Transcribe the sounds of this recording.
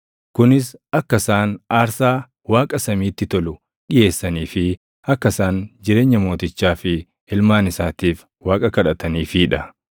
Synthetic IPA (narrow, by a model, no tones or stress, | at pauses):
kʊnɪsɐkːɐsaːnaːɾsaː | waːkʼɐsɐmiːt̪ːɪt̪ɔlʊ | ᶑɪje̞ːsːɐniːfɪ | ɐkːɐsaːnd͡ʒɪɾe̞ːɲːɐmo̞ːt̪ɪt͡ʃːaːfɪ | ɪlmaːnɪsaːt̪iːf | waːkʼɐkɐᶑɐt̪ɐniːfɪːᶑɐ